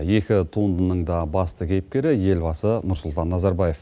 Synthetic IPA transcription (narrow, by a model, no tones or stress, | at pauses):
je̞kʲɪt̪ʰund̪ənəɴd̪ɑbɑst̪əkʲʰe̞jp̚kʲe̞ɾɪje̞lbɑsənʊɾsʊlˠt̪ɑnːɑzɑɾbɑje̞f